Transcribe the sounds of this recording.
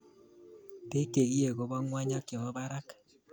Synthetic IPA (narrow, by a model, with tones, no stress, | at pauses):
te˦ke˨ɣje˦˨ɣo˦βa˦ŋwa˦ɲa˦kɪ˨βɔ˦βa˦ɾa˦k